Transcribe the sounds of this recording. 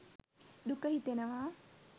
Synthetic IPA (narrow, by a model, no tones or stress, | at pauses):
d̪ukəɦit̪enɐʋaː